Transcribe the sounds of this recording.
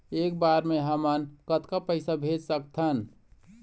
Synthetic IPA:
ek̚baɾmeɦəmənkət̪kapəɪsabʱed͡ʒsək̚t̪ʰən

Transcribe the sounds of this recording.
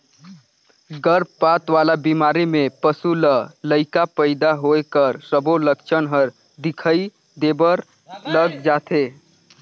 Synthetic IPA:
ɡəɾpat̪ʋalabimaɾimepəsulələɪkapəɪd̪aɦojkəɾsəboləkt͡ʃʰənɦəɾ | d̪ikʰəi | d̪ebəɾ | ləɡd͡ʒat̪ʰe

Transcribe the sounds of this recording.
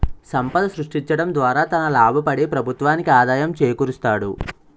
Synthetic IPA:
sɐmpɐd̪ɐsɾuʂʈiɲt͡ʃɐɽɐmd̪ʋaːɾaːt̪ɐnɐlaːbʱɐpɐɽipɾɐbʱut̪ʋaːnikiaːd̪aːjɐmt͡ʃeːjɐkuːɾust̪aːɽṵ

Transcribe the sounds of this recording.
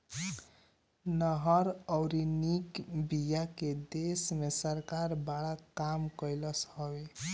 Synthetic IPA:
nʌɦʌɾɔwɾinikbijaked̪esmesəɾkaɾbaɽakamkʌjləshʌbe

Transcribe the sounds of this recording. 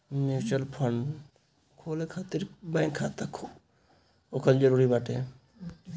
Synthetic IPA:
mit͡ʃəlpʰən | kʰoːlekʰaːt̪ɪɾbãːŋkʰːaːt̪akʰo | okʰəld͡ʒəɾuːɾibaːʈʰe

